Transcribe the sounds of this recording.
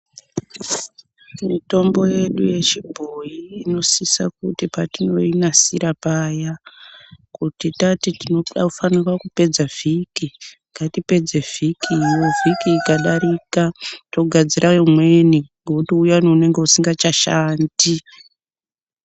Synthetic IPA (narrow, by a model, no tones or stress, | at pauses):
mito̞mbo̞je̞ɗuje̞t͡ʃibʱo̞jiːno̞sisa̰k̚utipatino̞inasiɾapaːja | kutitatitinoaufanirwakupe̞d͡zav̥ikiŋɡatipe̞d͡ze̞v̥ʱikʰiːjo̞vikiːkaɗaɾikato̞ɡʱad͡ziɾʔajomwe̞niŋɡekutiujanoune̞ŋɡe̞usiŋɡat͡ʃaʃaːndi